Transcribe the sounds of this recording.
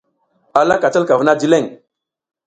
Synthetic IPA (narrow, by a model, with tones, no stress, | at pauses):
a˨la˦ka˨t͡ʃa˦lka˨və˦na˦di˦le˦˨ŋ